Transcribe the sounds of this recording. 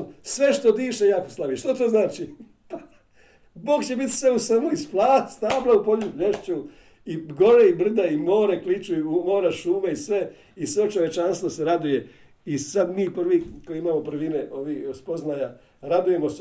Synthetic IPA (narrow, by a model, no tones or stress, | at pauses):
sʋe̞ʃt̪od̪iːʃejakoslˠaʋiʃt̪ot̪oːznaːt͡ʃi | pa | bo̞ːɡt͡ɕe̞bit̪semusamoisplaːst̪aːplaupo̞ʎupʎeʃt͡ɕu | iɡo̞ɾeibr̩d̪aimo̞ːɾeklit͡ʃuiumo̞ːɾaʃuːmaisʋe̞ | isʋet͡ʃo̞ʋje̞t͡ʃanst̪ʋose̞ɾad̪uje̞ | isad̪miːpr̩ʋiːkojiimaːmopr̩ʋineʔoʋiːspoznaːja | ɾad̪uje̞mos